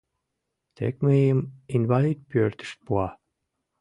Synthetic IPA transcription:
t̪ʰḛkmeminvalit̪̚pyørt̪y̥st̪̚puɑ

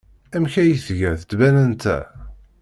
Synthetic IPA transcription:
æmçæjəθʝæθəd̪bænənt̪æ̰

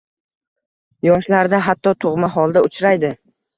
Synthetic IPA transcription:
jɒʃlaɾd̪aɦat̪ːɒt̪ʰoʁmaɦɒlˠd̪aʊt͡ʃʰɾajd̪ɪ

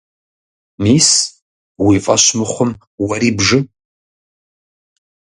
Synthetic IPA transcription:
miːs | wiːfʼɐɕmɨχʷʊm | wɐɾiːbʒɨ

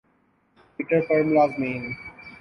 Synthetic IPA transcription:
iʈəɾfɔːɾmlazmẽːn

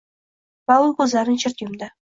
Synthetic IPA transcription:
pawʊlˠkʲʰɵzlaɾɪnʃʰɪɾt̪jʊmd̪ɪ

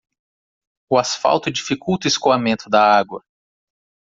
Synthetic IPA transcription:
ʊasfa̰wt̪ʊd͡ʒifikuwt̪ʊiskoamẽnt̪ʊd̪ɐaɡwɐ

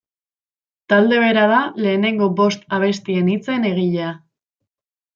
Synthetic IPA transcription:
t̪ald̪e̞β̞e̞ɾaðale̞ːne̞ŋɡo̞bo̞st̪aβ̞e̞st̪ie̞nit͡se̞ne̞ɣ̞iʎea

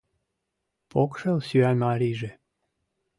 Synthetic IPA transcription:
pʰokʃelsyænɑɾʲiʒĕ

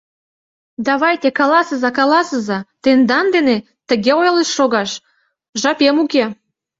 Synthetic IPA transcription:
d̪ɑβɑjt̪ekɑlɑsəzɑkɑlɑsəzɑt̪end̪ɑnd̪ene | t̪ə̆ɣeojleʃːoɣɑʃ | ʒɑpemuke

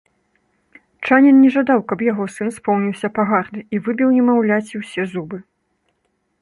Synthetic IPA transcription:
t͡ʂanʲɛnnʲɛʐad̪awkɐbjaɣɔsɨnspɔwnʲiwsʲɐpaɣarnɨivɨbʲiwnʲɛmawlʲat͡sʲiwsʲɛzubɨ

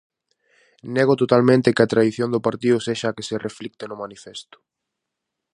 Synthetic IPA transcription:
neɣʊt̪ot̪almẽnt̪ɪkɪɐt̪ɾaðiθjond̪ʊpaɾt̪iðʊseʃaːkesereflik̚t̪enʊmanifest̪ʊ̥

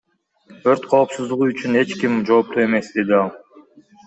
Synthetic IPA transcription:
øɾt̪qʰo̞ːpsuzd̪uʁuyt͡ʃyne̞t͡ʃkimd͡ʒo̞ːp̚t̪ue̞me̞sd̪e̞d̪iɑlˠ

